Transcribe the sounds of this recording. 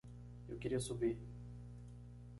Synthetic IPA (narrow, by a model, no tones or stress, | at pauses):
ḛwkeɾiɐsubi